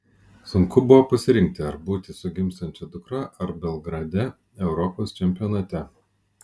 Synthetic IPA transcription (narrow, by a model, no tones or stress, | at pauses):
sʊŋkʊbʊʋoːpɐsʲɪɾʲɪŋʲk̚t̪ʲɪɐɾbuːt̪ʲɪsʊɡʲɪmst̪ɐnʲt͡ʃʲɛd̪ʊkɾɑːʔɐɾbʲɛlˠɡɾɐd̪ʲɛ | ɛʊɾɔpoːst͡ʃʲɛmʲpʲɪjɔːnɐt̪ʲɛ